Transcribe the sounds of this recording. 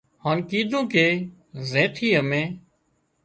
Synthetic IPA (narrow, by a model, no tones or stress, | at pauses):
haːnkiːd̪ʱõːkeː | zẽːt̪ʰiːəmẽː